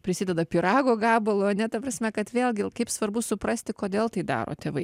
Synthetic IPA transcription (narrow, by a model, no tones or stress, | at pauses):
pʲɾʲɪsʲɪdʲɛd̪ɐpʲɪɾɑːɡoːɡɑːbɐlˠoːɐnʲɛt̪ɐpɾɐsʲmʲɛkɐt̪ʋʲeːlˠʲɡʲɪkɐɪpsʋɐɾbʊsʊpɾɐsʲt̪ʲɪkoːd̪ʲeːlˠt̪ɐɪd̪ɑ̰ːɾʔo̰ːt̪ʲeːʋɐɪ